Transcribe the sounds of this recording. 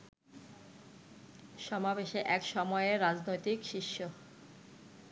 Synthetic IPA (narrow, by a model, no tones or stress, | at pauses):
ʃɔmabeʃeʔɛkʃɔmɔeeɾad͡ʑnojt̪ikʃiʃːo